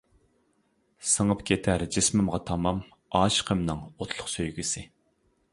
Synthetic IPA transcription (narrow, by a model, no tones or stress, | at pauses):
səŋəpkʲʰet̪ʰæɾd͡ʒɪsmɪmʁɑt̪ʰɑmɑm | ɑːʃqʰəmnɨŋot̪ʰlˠʊχsøjɡʲysɪ